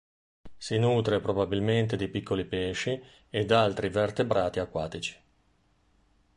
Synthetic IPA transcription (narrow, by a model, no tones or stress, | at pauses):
sinuːt̪ɾepɾobabilment̪ed̪ipikʰːolipeːʃi | ed̪alt̪ɾivert̪ebɾaːt̪iakːwa̰ːt̪it͡ʃi̥